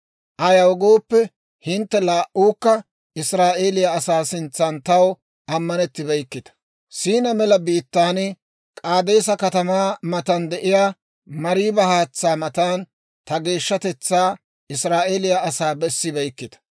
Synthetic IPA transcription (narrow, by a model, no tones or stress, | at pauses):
ʔɐjɐwɡo̞ːpːɛ | hɪnt̪ːɛlaːʔuːkːɐ | ɪsɾaːʔeːlɪjɐːsaːsɪnt͡sːɐnt̪ɐw | ʔɐmːɐnɛt̪ːɪbɐjkːɪt̪ɐ̥ | siːnɐmɛlɐbiːt̪ːaːnɪ | kʼaːd̪e̞ːsɐkɐt̪ɐmaːmɐt̪ɐnd̪ɛʔɪjaː | mɐɾiːbɐhaːt͡sːaːmɐt̪aːn | t̪ɐɡe̞ːʃːɐt̪ɛt͡sːaː | ɪsɾaːʔe̞ːlɪjaɐsaːbɛsːɪbɛjkːɪd̪ɐ̥